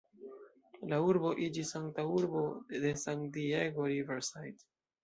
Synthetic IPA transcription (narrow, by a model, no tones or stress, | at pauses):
lauɾboʔid͡ʒisaŋɡt̪auɾbod̪esaŋɡd̪ieɡoɾiveɾsajt̪